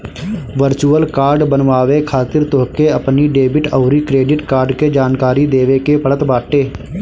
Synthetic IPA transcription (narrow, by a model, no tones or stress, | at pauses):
ʋəɾt͡ʃuːəlkaːɾɖbənʋaːʋekʰaːt̪ɪɾt̪oɦkeəpniɖeːbɪʈəːɾikɾeːɖɪʈkaːɾɖked͡ʒaːnkaːɾid̪eːʋekepəɽət̪baːʈːeː